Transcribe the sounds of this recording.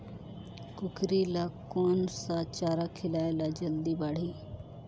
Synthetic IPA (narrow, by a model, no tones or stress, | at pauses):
kʊkɾilakoːnsat͡ʃaːɾakʰɪlaːelad͡ʒɐld̪ibaːɽ̤iː